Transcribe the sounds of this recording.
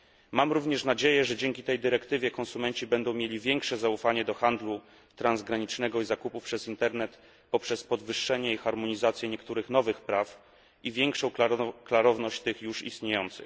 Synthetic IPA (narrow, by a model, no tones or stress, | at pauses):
mamɾuvɲɛʂnad͡ʑejɛʐɛd͡ʑɛŋkʲit̪ɛjd̪ɘɾɛkt̪ɘvʲjɛkɔnsumɛɲt͡ɕibɛnd̪ɔ̃w̃mʲjelʲivʲjɛŋkʂɛzaufaɲɛd̪ɔxand̪lu | t̪ɾanzɡɾaɲit͡ʂnɛɡɔizakupufpʂɛzint̪ɛɾnɛt̪ | pɔpʂɛspɔd̪vɘʂːɛɲɛixaɾmɔɲizat̪sjɛɲɛkt̪uɾɘxnɔvɘxpɾaf | ivʲjɛŋkʂɔ̃w̃klaɾɔvnɔɕt͡ɕt̪ɘxjuʂḭst̪ɲejɔnt̪sɘ̰x